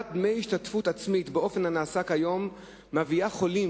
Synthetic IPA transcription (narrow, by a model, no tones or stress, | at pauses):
t̚d̪mejhiʃtatfut̪at͡smit̪beʔo̞fe̞nhanaːsakhajo̞mː | aviaχo̞li